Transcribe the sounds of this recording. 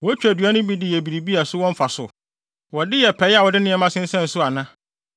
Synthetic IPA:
wɔ˨˦t͡ɕᶣæ˨dɥa˦nʊ̃˦bi˦dɪ˨jɛ˨bi˨ɾi˨bi˦a˨sʊ˦wɔ̃˦m˦fa˨sʊ̰˨ | wɔ˨dɪ˦jɛ˨pʰɛ˨˦ja˨wɔ˨dɪ˦nɪ̃˦ɛ˦mã˦sɪ̃˦n̩˦sɛ̃˦n̩˨sʊ˦a˨nã˦

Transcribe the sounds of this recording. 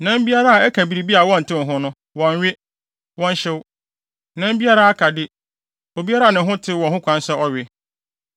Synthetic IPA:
nã˦m˦bi˦a˦ɾa˦a˨ɛ˦kʰã˨bi˨ɾi˨bi˦a˨wɔ̃˦n̩˨tʰɪ̃˦˨ɦʊ̃˦nʊ̃˦ | wɔ̃˨ɲ˨ɥɪ˦ | wɔ̃˦n˦ɕɛ˦w | nã˦m̩˦bi˦a˦ɾa˦a˦kʰa˨dɪ˦ | o˨bi˦a˦ɾa˨nɪ̃˨ɦʊ̃˦tʰɪ˦wɔ̃˨ɦʊ̃˦kʰʷã˦n˦sɛ˦ɔ˦ɥɪ˦

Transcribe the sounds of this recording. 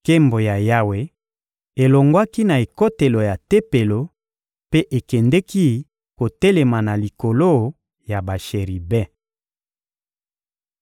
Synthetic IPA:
ke˦mbo˨ja˨ja˦we˨ | e˨lo˨ŋɡwa˦ki˦na˨e˨ko˦te˨lo˨ja˨te˦pe˨lo˨ | pe˦ʔe˨kɛ˨ndɛ˦ki˦ | ko˨te˦le˨ma˨na˨li˨ko˨lo˦ | ja˨ba˨ʃe˨ʁi˨bɛ˦˨

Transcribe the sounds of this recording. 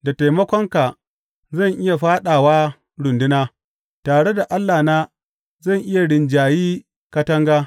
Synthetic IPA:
da˨ta˨jmɐ˦kʷɔ˦ŋka˨ | zɐ˦˨ŋʔɪ˦ja˨ɸaː˦ɗaː˨waː˦ | ɽʊ˨ndɪ˦naː˦ | taː˨ɽe˦da˨ʔa˦lːaː˨naː˦ | zɐ˦˨ŋʔɪ˦ja˨ɽɪ˨nd͡ʒaː˨jiː˦ | kɐ˦tɐ˦ŋɡaː˦

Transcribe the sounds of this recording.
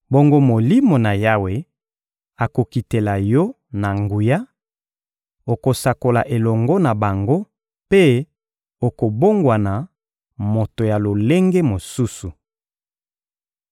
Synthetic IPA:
bo˦ŋɡo˦mo˨li˦mo˨na˨ja˦we˨ | a˨ko˨ki˨te˨la˨jɔ˦ | na˨ŋɡu˨ja˦ | o˨ko˨sa˨ko˨la˨ʔe˨lɔ˨ŋɡɔ˦na˨ba˨ŋɡo˦ | pe˦ | o˨ko˨bo˦ŋɡwa˨na˨ | mo˨to˨ja˨lo˨le˦ŋɡe˦mo˨su˦su˨

